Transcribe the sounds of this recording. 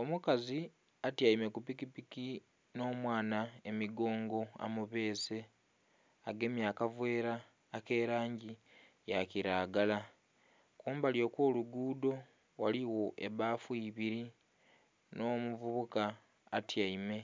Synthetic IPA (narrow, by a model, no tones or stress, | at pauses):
o̞mukazi | atjaime̞kupikipiki | no̞ːmwaːnaemiɡo̞ːŋɡo̞a̰muβe̞ːze̞ | aɡe̞mjaːkavwe̞ːɾaː | ke̞ːɾaːɲɟi | jaciɾaːɡala | kuːmbaljo̞ːkwo̞ːluɡuːdo̞ | waliwo̞ʔe̞βaːfwiβiɾi | no̞ːmuvuβukaː | tjaime̞